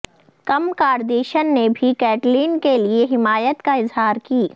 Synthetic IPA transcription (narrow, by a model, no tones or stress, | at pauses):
kɐmkaːɾd̪eːʃənːebʱikɛːʈliːnkelieɦɪmaːjət̪kaɪzɦaːɾkiː